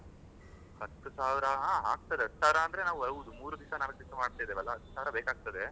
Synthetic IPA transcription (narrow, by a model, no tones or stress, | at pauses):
hɐt̪ːusaːʋɾɐaːɦa̰ːɡ̚t̪ɐd̪eɐt̪ːsaːʋiɾɐːnd̪ɐɾe̞naːʋuɐd̪umuːɾud̪isɐnaːʋɐɡd̪isɐmaːɽt̪ajd̪eːʋɛlːɐɦɐt̪ːu̥saːʋɾɐbeːkaːɡ̚t̪ɐd̪e